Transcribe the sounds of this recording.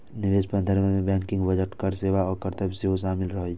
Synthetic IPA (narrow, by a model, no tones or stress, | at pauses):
nɪʋeːspə̃nd̪ʱəɾmẽmẽbɛ̃ːŋkɪ̃ŋɡʋɐd͡ʒəʈkɐɾseːʋaɔːɾkɐɾt̪əbseɦoʃaːmɪlɾɐɦ